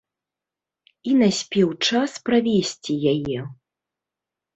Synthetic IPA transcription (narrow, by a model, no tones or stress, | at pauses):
inasʲpʲɛwt͡ʂaspɾavʲesʲt͡sʲijajɛ